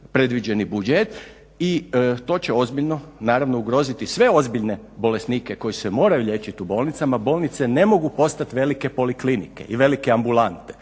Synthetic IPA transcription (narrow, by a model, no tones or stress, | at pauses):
pɾe̞d̪ʋid͡ʒe̞nibud͡ʒet̪ | it̪o̞ːt͡ɕe̞o̞zbiʎno̞naːɾaʋno̞uɡɾo̞zit̪isʋe̞o̞zbiʎne̞bo̞le̞snike̞ko̞jisemo̞ːɾajuʎʲe̞ːt͡ʃit̪ubo̞ːlˠnit̪samabo̞lˠnit̪se̞ne̞mo̞ɡupo̞st̪at̪ʋe̞like̞po̞liklinḭke̞̰iʋe̞likeambulant̪e̥